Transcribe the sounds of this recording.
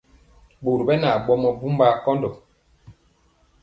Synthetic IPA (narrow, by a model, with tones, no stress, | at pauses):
ɓu˨ɾbɛ˦na˨ɓɔ˦mɔ˦bu˦mba˦kɔ˦ndɔ˨